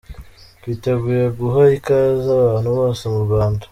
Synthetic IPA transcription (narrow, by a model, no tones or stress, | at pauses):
βiteɡuɾeɡuɦaikazaβaːn̥huβoːsemuβaːndḁ